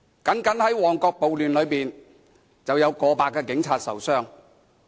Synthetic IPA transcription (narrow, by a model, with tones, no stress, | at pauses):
kɐ˨˥ŋkɐ˨˥nhɐ˨˥jwɔː˨˩ŋkɔː˧k̚po˨wlyː˨˩nlɵ˨˧ɥpiː˨˩n | t͡sɐ˨wjɐ˨˧wkɔː˧paː˧kːɛː˧kɪ˨˥ŋt͡sʰaː˧t̚sɐ̰˨˩wsœː˥ŋ